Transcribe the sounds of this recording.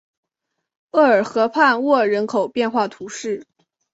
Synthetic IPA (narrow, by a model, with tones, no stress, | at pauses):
ɤ˥˩ə˞˨˩xɤ˧˥pʰa˥˧nwɔ˥˩ɻə˧˥nkʰo˨˩ʊpjɛ˥˧nxwa˥˩t̪ʰu˧˥ʂɻ̩˥˩